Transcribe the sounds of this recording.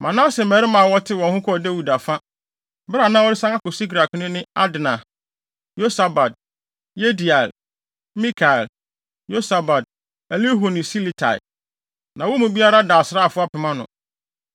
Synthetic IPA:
mã˨nã˦se˨mɛ˨ɾɪ˦mã˨wɔ˦tʰɪ˦wɔ̃˨hʊ̃˦kʰɔ˦˨de˦wu˨da˨fa˦ | bɾa˨nãː˦ɔ˦ɾɪ˦sã˦ŋa˦kʊ˨si˦ɡɾa˨knɪ̃˦nɪ̃˦a˦dɪ˨nã˨ | jo˦sa˨ba˨d̚ | je˦di˨a˨l | mĩ˦kʰa˨ɛ˨l | jo˦sa˨ba˨d̚ | ɛ˨li˦ɦo˨nĩ˨si˦li˨tʰa̰˨ɪ̰˨ | nã˨wɔ˦mũ˨bi˦a˦ɾa˦da˨sɪ˦ɾa˦˨fʊ˦a˦pʰɪ˨mã˦nʊ̰̃˨

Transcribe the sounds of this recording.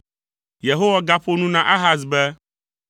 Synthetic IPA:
je˨ɦo˦wa˦ɡa˦ɸo˦nũ˦nã˦ʔa˦ɦa˦s̬bɛ˦

